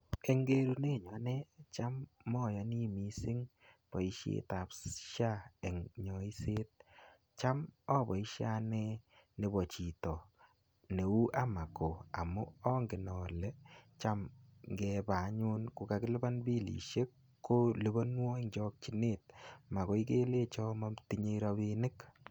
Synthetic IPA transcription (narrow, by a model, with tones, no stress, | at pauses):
e˦ŋɡe˦ɾu˦ne˦˨ɲɔ˨˦nɛ˦t͡ʃa˦mːɔ˦˨ja˨ni˦mi˨sɪ˦ŋ | pɔ˨i˦ʃḛ˦ta˨psʃa˦ɛ˨ŋɲɔ˨i˦se˦t̚ | t͡ʃa˦mɔ˦bɔ˨i˦ʃa˦nɛ˦ | ne˨bɔ˨t͡ʃi˨tɔ˨ | ne˨u˦ʔa˦ma˨ko˨a̰˨mu˦ɔ˦ŋɡɪ˨nɔ˨lɛ˦t͡ʃa˦mŋɡɛ˧pa˨ɲʊ˦nku˧ka˨kɪ˦lɪ˦ba˦nbi˦lḭ˨ʃe˦kː | o˦lu˦ba˦nwɔ˦e˦ŋd͡ʒɔ˦k̚t͡ʃi˦ne˦t̚ma˨ko˨˦i˦ke˦le˦t͡ʃɔ˦ma˦mti˦ɲe˦ɾa˧βi˧nɪ˦k